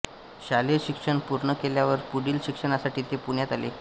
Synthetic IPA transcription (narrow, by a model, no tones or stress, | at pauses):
ɕaleɾɕikʂəɳpuɾɳəkeljaʋəɾpuɽiːlɕikʂəɳasaʈiːt̪epuɳjat̪alḛ